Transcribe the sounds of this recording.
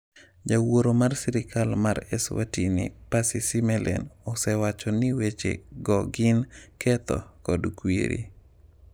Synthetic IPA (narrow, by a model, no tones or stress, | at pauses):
d͡ʒawoɾomarsɛɾɪkalmaɾɛ̰swa̰tinḭpasisimɛlʔɛ̰nɔsɛwat͡ʃɔniwet͡ʃḛɡɔɡɪnkʰɛt̪ɔ̰kɔdkwḭɾḭ